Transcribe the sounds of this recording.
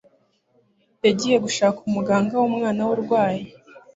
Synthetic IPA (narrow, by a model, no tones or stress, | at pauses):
eɟije̞ɡuʃaːkumuɡaːŋɡawumŋaːnawuɾɡwaːji